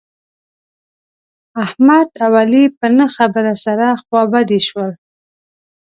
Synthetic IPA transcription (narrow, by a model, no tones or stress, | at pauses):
ahmad̪awalipənəxabəɾasaɾaxwɑbad̪iʃwəl